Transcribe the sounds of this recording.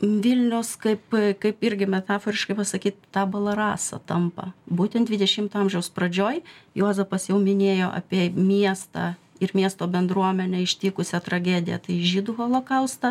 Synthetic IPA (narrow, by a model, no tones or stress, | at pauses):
ʋʲɪlʲnʲɛʊskɐɪpkɐɪpɪɾʲɡʲɪmʲɛt̪ɑːfoːɾʲɪʃkɐɪpɐsɐkʲiːt̪t̪ɑːbɐlˠɐɾɑːsɐ̰t̪ɐmpɐ̰buːt̪ʲɛnd̪ʲʋʲɪd̪ʲɛʃʲɪmt̪ɐmʲʒʲɛʊsprɐd͡ʒʲoːjjoːzɛpɐsjɛʊmʲɪnʲeːjoːʔɐ̰pʲiɛmʲiɛst̪ɑ̰ | ɪɾmʲiɛst̪oːbʲɛnd̪ɾuɔmʲɛnʲɛɪʃʲt̪ʲiːkʊsʲɛt̪ɾɐɡʲæːd̪ʲɪjɛ̰t̪ɐɪʒʲiːd̪ʊxolˠoːkɐʊst̪ɐ